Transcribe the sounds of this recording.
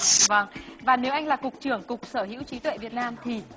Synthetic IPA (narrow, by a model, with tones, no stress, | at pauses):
və˧ŋvaː˨˩ne˨˦wʔa˧jŋ̟laː˨˩kʊ˨˩k͡p̚t͡ɕɨ˧˩əŋkʊ˨˩k͡p̚səː˧˩hḭ˧˥wt͡ɕi˨˦t̪wḛ˧˨vət̚naː˧mt̪ʰi˨˩